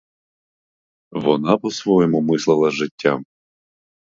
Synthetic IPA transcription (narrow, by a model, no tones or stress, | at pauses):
ʋɔnɑpɔsʋɔjɔmʊmɪslˠɪlˠɐʒɪtʲːam